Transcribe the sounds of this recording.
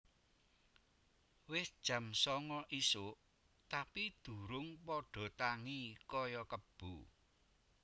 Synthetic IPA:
wɪsd̥ʒ̥ä̤msɔŋɔʔisʊʔ | t̪apid̪̥ṳɾʊŋpɔɖ̥ɔ̤t̪aŋikɔjɔkəb̥u

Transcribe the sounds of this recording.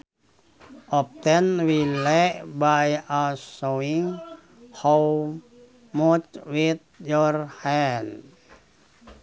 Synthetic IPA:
ʔɔp̚t̪ɛnwilebajasoiŋ | ho | mɔtwit̪̚jɔrhɛn

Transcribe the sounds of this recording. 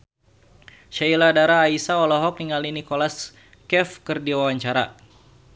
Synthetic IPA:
ʃailadaɾaːisaɔlɔɦɔk̚niŋalinikolas | kɛfkərdiwawaɲt͡ʃaɾa̰

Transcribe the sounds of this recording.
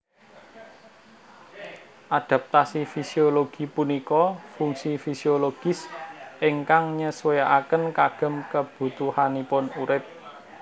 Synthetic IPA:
ʔad̥a̤p̚t̪asifisioloɡ̥i̤punikɔfuŋsifisioloɡ̥ɪ̤sʔɪŋkaŋɲəswejaʔakənkaɡ̥ə̤mkəb̥ṳt̪uhanipʊnuɾɪp̚

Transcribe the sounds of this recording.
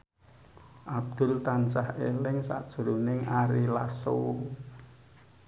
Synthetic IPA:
ʔab̚d̪̥ʊ̤lt̪ansahelɪŋsa̰ʔd̥ʒ̥əɾonɪŋaɾilaso̰

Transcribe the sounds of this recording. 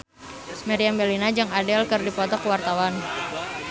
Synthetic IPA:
maɾiambɛlinad͡ʒɨŋadɛlkɨrdipɔt̪ɔkuwart̪awan

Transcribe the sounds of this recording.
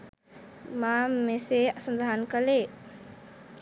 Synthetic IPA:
mameseasənd̪ʱankəle

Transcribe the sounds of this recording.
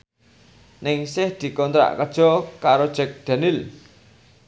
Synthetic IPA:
nɪŋsɪhd̪̥i̤kɔnt̪ɾa̰ʔkəd̥ʒ̥ɔ̤kaɾod̥ʒ̥ɛ̤k̚d̪̥a̤nɪl

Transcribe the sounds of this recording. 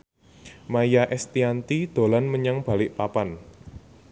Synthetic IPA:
majaʔɛst̪iant̪id̪̥o̤lanməɲaŋb̥a̤lɪʔpapan

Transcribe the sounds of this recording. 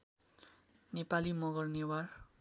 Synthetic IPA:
nepalimʌɡʌrnewar

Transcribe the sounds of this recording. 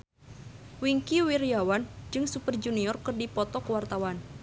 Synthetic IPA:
wiŋkiwirjawand͡ʒɨŋsupərd͡ʒuniɔrkɨrdipɔt̪ɔkəwart̪awan

